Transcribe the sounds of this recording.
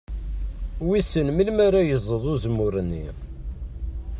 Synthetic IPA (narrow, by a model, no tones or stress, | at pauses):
wisənmilmaɾajəzˤːəðˤuzəmːʊɾənːḭ